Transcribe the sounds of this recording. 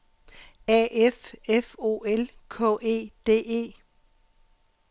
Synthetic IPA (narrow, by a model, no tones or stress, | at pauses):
ɛʔefefo̝̰ːelkʰɔ̰̽ːʔe̝̰ːd̥e̝̰ːe̝̰ː